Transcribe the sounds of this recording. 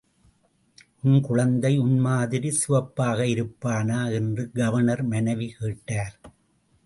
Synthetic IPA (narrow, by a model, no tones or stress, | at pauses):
ʔʊnkʊɻɐnd̪ɐɪʊnmaːðɪɾisɪʋɐpːaːɣɐɪɾɯpːaːnaːɛndrɯɡɐʋɐnɐɾmɐnɐʋikeːʈːaːɾ